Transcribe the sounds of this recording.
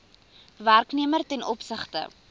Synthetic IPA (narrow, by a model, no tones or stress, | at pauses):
værkniəmərtɛnɔpsəχtə̰